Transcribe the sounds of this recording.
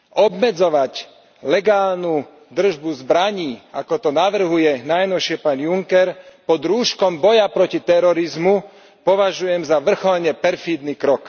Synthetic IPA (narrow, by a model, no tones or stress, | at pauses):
ɔbmɛd͡zɔʋac | lɛɡaːlnu | d̪r̩ʒbuzbɾaɲiːakɔt̪ɔnaʋr̩ɦujɛnajnɔʃɪɛpaːnjuŋkɛɾpɔd̪ɾuːʃkɔmbɔjapɾɔcit̪ɛɾɔɾizmu | pɔʋaʒujɛmzaʋr̩xɔlɲɛpɛɾfid̪nikɾɔk